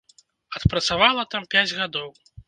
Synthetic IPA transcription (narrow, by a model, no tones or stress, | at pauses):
ɐt̪pɾɐt̪savalˠɐt̪ampʲæd͡zʲɣad̪ɔw